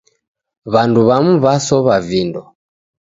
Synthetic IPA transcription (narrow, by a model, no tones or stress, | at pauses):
βanduβamuβasɔβavindɔ